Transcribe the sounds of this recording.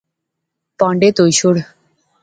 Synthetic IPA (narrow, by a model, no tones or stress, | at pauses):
pɔɳɖet̪ojʃuɾ